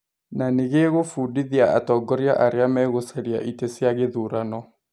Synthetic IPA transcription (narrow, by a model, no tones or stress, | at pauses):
naneɣeɣofuːdiðiaa̰tɔɡɔɾiaʔaɾeamɛɣosɛɾia̰ʔitesjaɣeðuɾanɔ